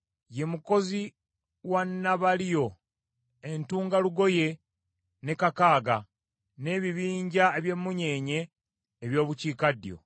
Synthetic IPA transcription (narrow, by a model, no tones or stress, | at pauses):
je̞muko̞zi | wanːaβalijo̞ | entuːŋɡaluɡo̞je̞ | ne̞kakaːɡa | ne̞ːβiβiːɲɟaeβje̞mːuɲe̞ːɲe̞ː | βjo̞ːβuciːkadjo̞̰